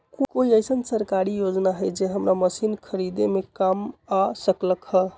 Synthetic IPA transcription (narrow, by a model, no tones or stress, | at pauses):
kokoiəjsənsəɾkaɾijod͡ʒnaɦəjd͡ʒeɦəmɾaməsinkʰəɾid̪emekamasəkləkhə